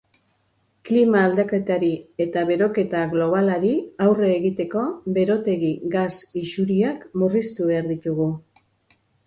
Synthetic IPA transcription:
klimaːld̪ake̞t̪aɾie̞t̪aβe̞ɾo̞ke̞t̪aɣlo̞β̞alaɾiawre̞ːɣit̪e̞ko̞be̞ɾo̞t̪e̞ɣiɡasiʃuɾiakmurist̪uβe̞aɾðit̪uɣu

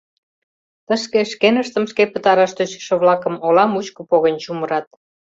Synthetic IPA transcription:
t̪ə̆ʃkeʃkenəʃt̪ə̆mʃkepət̪ɑɾɑʃt̪øɕʃĕβlɑkə̆molɑmut͡ɕkŏpoɣə̆nʲt͡ɕuməɾɑt̪̚

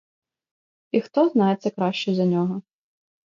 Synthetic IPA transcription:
ixt̪ɔznɑjet̪sʲɐkɾɑʃt͡ʃɛzɐnʲɔɦɔ

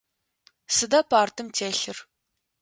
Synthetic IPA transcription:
sɨdɐpʰaːrtʰɨmtʰeːɬɨr

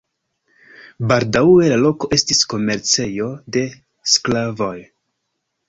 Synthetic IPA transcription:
baldawe̞lalo̞koʔe̞stisko̞me̞ɾt͡se̞jo̞de̞ | sklavo̞j

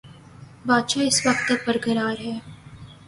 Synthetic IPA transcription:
baːt̪ʃaɪsʋɐq̚t̪ːɐk̚bɐɾɡəɾaːɾɦɛː

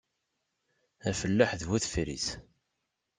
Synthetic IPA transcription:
æfəlːaħðwuθfɾḭs

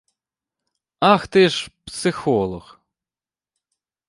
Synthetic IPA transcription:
ɑxt̪ɪʃpsɪxɔlˠɔx

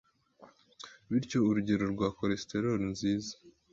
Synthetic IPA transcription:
βiɾco̞uɾuɟeɾo̞ɾɡwaːkoɾesteɾolnziːzḁ

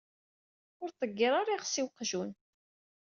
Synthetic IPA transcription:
ʊɾθˤəɡːiɾˤaɾˤiʁsiwqʒun

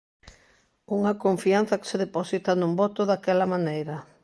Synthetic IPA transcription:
uŋɐkoɱfian̟θɐke̥seðeposit̪anũmbɔt̪oðakɛlɐmanejɾɐ

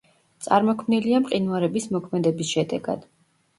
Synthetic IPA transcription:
t̪sʼaɾmɔkʰmniliamqʼinuaɾɛbismɔkʰmɛd̪ɛbisʃɛd̪ɛɡa̰d̪̥

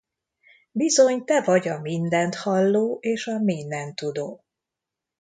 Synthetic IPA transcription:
bizo̞ɲt̪ɛvɒɟɒmind̪ɛnt̪hɒlːoːʔeːʃɒmeːnɛnt̪ːud̪oː

